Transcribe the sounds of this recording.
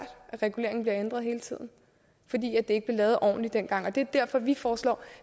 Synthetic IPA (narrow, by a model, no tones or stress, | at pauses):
d̥ʔæʁɛɡ̥ule̝̰ɐeŋn̩b̥liɐend̥ʁɐðˠhe̝ːlət͡sʰið̰ˠn̩ | fɒ̽d̥ḭːæd̥ee̝ɡ̥əb̥lilɛːð̞̩ˠʔɒ̰ːnlid̥en̰ɡ̥ɑ̈ŋ̰ɒ̽d̥e̝æɐd̥æɐ̰fɒ̽ʋifɒːslɒ̰ː